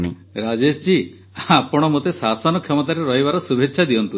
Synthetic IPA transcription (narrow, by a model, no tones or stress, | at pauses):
ɾad͡ʒest͡ʃi | apɔɽ̃ɔmot̪esasɔnɔkʰjɔmɔt̪aɾeɾɔɦibaɾɔsubʱetːʃʰad̪iɔnt̪u